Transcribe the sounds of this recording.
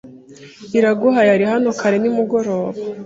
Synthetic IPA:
iɾaɡoɦajaɾihanokʰaɾe̞nimuɡo̞ɾo̞ːβa

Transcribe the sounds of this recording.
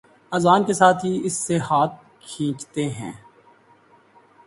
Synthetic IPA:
ɐzaːnkesaːt̪ʰɦiɪsːeɦaːt̪̚ | kʰĩːt͡ʃt̪eɦɛ̰̃ː

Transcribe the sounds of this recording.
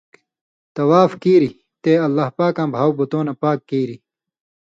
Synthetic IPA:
t̪ɐwaːfkiːɾi | t̪eːɐlːaːhpaːkãːbʱaːwbut̪oːnɐpaːkːiːɾi

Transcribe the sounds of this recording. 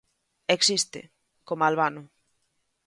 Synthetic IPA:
eksist̪ɪ̰ | komalβanʊ

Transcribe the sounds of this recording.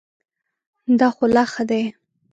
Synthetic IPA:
d̪ɑxolaxad̪aj

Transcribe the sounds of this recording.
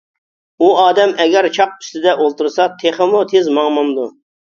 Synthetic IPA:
uɑːd̪ɛmɛɡʲɛɾt͡ʃʰɑq̚y̥st̪ɪd̪ɛʔolˠt̪uɾsɑt̪ʰeχəmut̪ʰezmɑŋmɑnd̪u

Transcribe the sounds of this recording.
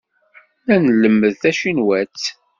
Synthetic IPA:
lænləmːəðθæʃinwæt͡sː

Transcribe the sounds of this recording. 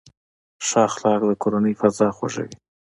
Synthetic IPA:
ʃɑxlɑk̚d̪əkoɾanəjfazɑxwa̰ʒə̰wi

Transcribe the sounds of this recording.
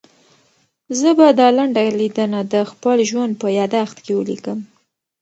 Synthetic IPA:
zəbad̪ɑlaɳɖalid̪ənad̪əxpəlʒwand̪̚pəjɑd̪axt̪kewəlḭkəm

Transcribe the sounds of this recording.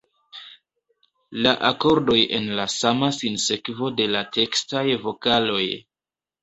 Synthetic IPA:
laʔako̞ɾdo̞je̞̰nlasamasinse̞kvo̞de̞latʰe̞kstajvo̞kalo̞j

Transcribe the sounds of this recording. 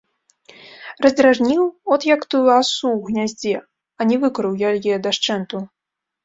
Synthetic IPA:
rɐzd̪ɾaʐnʲiwɔt̪jakt̪ujuasuwɣnʲazʲd͡zʲɛ | ɐnʲɛvɨkɾɨwjalʲjɛd̪aʂt͡ʂɛnt̪u

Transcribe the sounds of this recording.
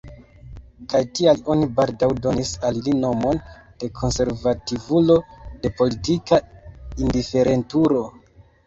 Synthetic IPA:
kajtialo̞nibaldawdo̞nisalilino̞mo̞nd̥e̞kʰo̞nse̞ɾvativulo̞de̞po̞litikaindife̞ɾʔe̞ntuɾo̞

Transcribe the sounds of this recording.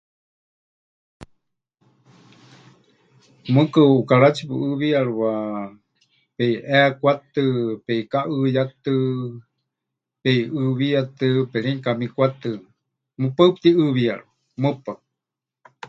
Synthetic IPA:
mɨkɨukaɺat͡ʃʰipɨʔɨβiaɺwa | peiʔɛakʷat̪ɨpeikaʔɨjat̪ɨ | peiɨβijat̪ɨpɛɺiŋkamikʷat̪ɨ | mɨpap̚t̪iɨβiaɺua | mɨpa

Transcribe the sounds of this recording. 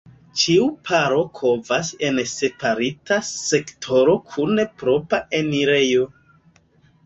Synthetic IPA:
t͡ʃiupʰaɾo̞kʰo̞vase̞nse̞paɾitase̞ktʰo̞ɾo̞kʰunepɾo̞paeniɾe̞jo̞

